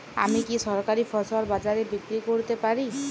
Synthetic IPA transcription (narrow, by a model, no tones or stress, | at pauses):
a̰mikiʃɔɾkaɾifʰɔɾsaɾbad͡ʑaɾebikɾikoɾt̪epaɾi